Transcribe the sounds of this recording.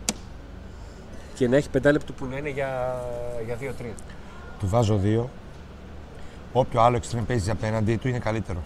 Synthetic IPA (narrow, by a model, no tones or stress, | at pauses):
ce̞nɐe̞çi̥pe̞nd̪ɐlept̪upunɐineʝɐ | ʝɐðiot̪ɾiɐ | t̪uvɐzo̞ðio̞ | opço̞ɐlo̞ekst̪ɾempeziszɐpe̞nɐnd̪it̪uine̞kɐlit̪e̞ɾo̞